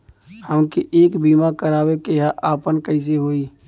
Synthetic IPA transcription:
həmkiʔeːkbiːmakəɾaːwekeɦaʔaːpənkəɪs̬eɦoːiː

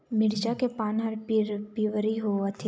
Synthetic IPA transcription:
mɪɾd͡ʒakepaːnɦɐɾipiʋɾiɦoət̪ʰe

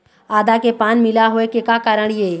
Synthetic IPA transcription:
aːd̪akepaːnmɪlaɦoekekakaːɾəɽ̃jeː

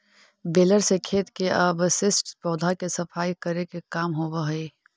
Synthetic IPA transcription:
beːləɾsekʰeːt̪keɐbsɪsʈpɔːd̪ʱakesɐpʰaːikɐɾekekaːmɦobəɦiː

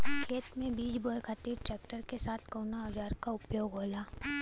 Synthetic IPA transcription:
kʰeːt̪mẽbiːd͡ʒboːjkʰat̪iːɾʈɾɛːk̚ʈəɾkesaːt̪ʰkoːnaɔd͡ʒaːɾkaʊpjoːɡɦoːlaː

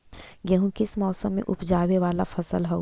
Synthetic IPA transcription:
jɐɦũkɪsmɔːsəmːḛ̃ʔʊpd͡ʒaːʋeʋaːlafɐsəlɦɛ

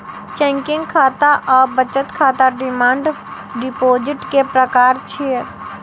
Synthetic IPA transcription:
t͡ʃɛ̃ːŋkɪ̃ŋɡkʰaːt̪aʔɔːɾbət͡ʃət̪kʰaːt̪aɖɪmãːɳɖ | ɖɪpoːd͡ʒɪʈkepɾəkaːɾt͡ʃʰi

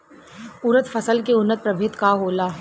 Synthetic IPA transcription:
ʊɾət̪fəsəlkeʊnːət̪̚pɾɐbʱet̪kaɦoːlaː

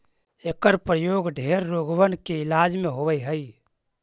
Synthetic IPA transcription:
ekəɾpɾəjoɡɖʱeɾːoɡʋənkeilad͡ʒmeɦobəjɦəj

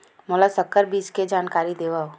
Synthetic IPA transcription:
mɔlasɐkːəɾbiːt͡ʃked͡ʒaːnkaːɾid̪eːʋaːo

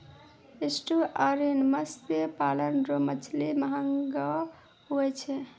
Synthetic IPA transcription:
esʈuʔaɾinməspepalənɾomət͡ʃʰliməɦəŋɡa | ɦuɛt͡ʃʰɛ

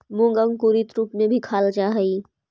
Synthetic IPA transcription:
mõːŋɡə̃ŋkuɾit̪ɾuːpmẽbʱikʰaːld͡ʒaːɦəiː

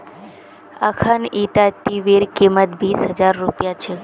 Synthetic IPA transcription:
ə̰kʰaniʈaʈiʋeɾkimət̪ʋisɦəd͡ʒaɾːupjat͡ʃʰe

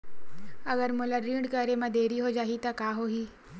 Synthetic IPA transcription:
ɐɡəɾmʊlaɾiːɖkəɾemãd̪eːɾiɦod͡ʒaːɦit̪akaːɦoːɦiː

